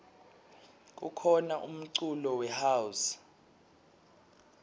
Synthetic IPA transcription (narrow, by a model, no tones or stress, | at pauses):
k̬ʼukʰɔnaʔum̩ǀulɔwɛhaus